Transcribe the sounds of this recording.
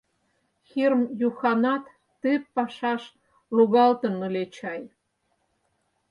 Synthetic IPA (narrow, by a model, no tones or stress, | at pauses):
xirmjuxɑnɑt̪ː | epːɑʃɑʃ | luɣɑlt̪ənəlet͡ɕɑj